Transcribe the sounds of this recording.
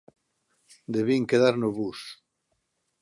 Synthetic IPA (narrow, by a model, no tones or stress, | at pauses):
d̪eβiŋkeðaɾnoβus